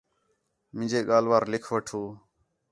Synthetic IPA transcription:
mɪ̃d͡ʒeːɠaːlʋaːɾlɪkʰʋəʈʰoː

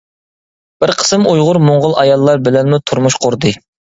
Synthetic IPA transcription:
b̥ɪɾqʰə̥sɨmujʁʊɾmoɴʁʊlˠɑjɑlˠːɑɾbɪlɛnmut̪ʰuɾmuʃqʰʊɾd̪ɨ

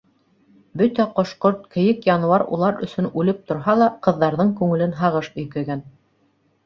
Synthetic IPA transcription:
bɵt̪æqŏʃqoɾt̪̚kɘ̆jɘkjɑnuwɑɾṵlˠɑɾɵ̆sɵ̆nʉlɘp̚t̪ŏɾɦɑlˠɑqɤ̆ðːɑɾðɤɴkʉŋɘ̆lɘnɦɑʁɤʃɵ̆jkæɡæn

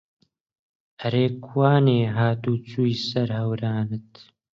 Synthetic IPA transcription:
ɐɾeːkʰwaːneːɦaːt̪uːt͡suːjsɐɾhɐwɾaːnɨt̪

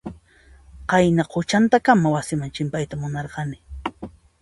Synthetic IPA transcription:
qɑjnaqʰʊt͡ʃant̪akamawasɪmant͡ʃɪmpajt̪amʊnɑɾqɑnɪ

